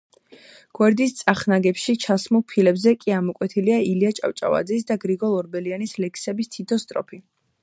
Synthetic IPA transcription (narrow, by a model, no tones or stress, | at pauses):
ɡ̥wɛɾd̪ist̪sʼaχnaɡɛpʃit͡ʃʰasmulˠpʰilɛbzɛkʼiamɔkʼwɛt̪ʰiliailiat͡ʃʼa̰ft͡ʃʼa̰va̰d̪zis̬d̪aɡɾiɡɔlˠɔɾbɛlianislɛkʰsɛbist̪ʰit̪ʰɔst̪ʼɾɔ̰pʰi